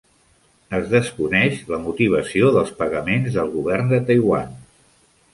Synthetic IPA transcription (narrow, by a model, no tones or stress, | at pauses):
əzðəskunɛʃləmut̪iβ̞əsioðəlˠspəɣəmenzðəlˠɣuβɛrnd̪ət̪əjwan